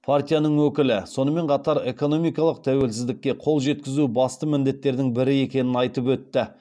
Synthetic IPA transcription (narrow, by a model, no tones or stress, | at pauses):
pʰart̪ʲijanəɴwɵkʲɪlɪso̞nəme̞ɴqʰɑt̪ɑɾe̞ko̞no̞mijkɑlˠəq̚t̪ʰæwe̞lsɪzd̪ɪkʲːe̞qʰo̞lˠʒe̞t̪̚kʲɪzubɑst̪əmɪnd̪e̞t̪ːe̞ɾd̪ɪŋbɪɾɪe̞kʲe̞nɪnɑjt̪əpwɵt̪ːɪ